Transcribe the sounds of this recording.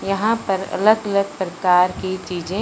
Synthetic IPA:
jɐɦãpɐɾɐ̰ləɡələɡ̚pɾəkaːɾkit͡ʃiːd͡ʒẽ

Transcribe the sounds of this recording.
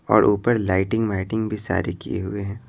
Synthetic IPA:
ɔːɾʔuːpəɾlaːɪʈɪ̃ŋɡmaːɪʈɪ̃ŋɡbʱisa̰ːɾekḭjḛɦʊeɦɛ̃ː

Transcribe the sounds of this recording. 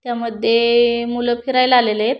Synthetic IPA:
t̪jaməd̪ʱːjemuləpʰiɾajlaleləjet̪

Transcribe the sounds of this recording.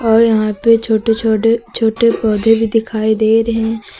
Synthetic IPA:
ɔːɾjɐɦãpet͡ʃʰoːʈeoet͡ʃʰoːʈepɔːd̪ʱẽbʱid̪ɪkʰaːid̪eːɾɦɛ̃

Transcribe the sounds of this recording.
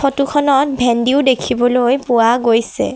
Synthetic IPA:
otukʰɔnɔt̚bʱendiʊdekʰibɔlojpʊaɡojsɛ̰

